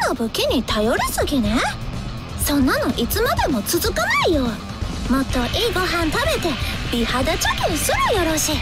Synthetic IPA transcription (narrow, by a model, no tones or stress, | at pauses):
nobɯ̟kʲiɲ̟it̪ajo̞ɾɯsɨɡʲine̞ | sõ̞nːano̞ʔit͡sɨmad̪e̞mo̞t͡sɨzɨkanaijoː | mo̞t̪ːo̞ʔiːɡo̞ɦãnt̪abe̞t̪e̞bʲihad̪at͡ɕokʲẽsɨɾɯjo̞ɾoɕiː